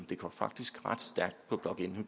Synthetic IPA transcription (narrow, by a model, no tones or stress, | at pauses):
d̥e̝kʰɒfɑ̈ɡ̥̚d̥isɡ̥ʁɑd̥sd̥æɐɡ̥̚d̥̚pʰɒ̽b̥lɒ̽ɡ̥e̝nhu